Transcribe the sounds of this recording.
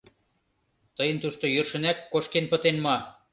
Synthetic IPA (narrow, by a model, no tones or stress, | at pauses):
t̪ɤjə̆nt̪uʃt̪ojø̆rʃə̆næt̪̚koʃkenpə̆t̪enmɑ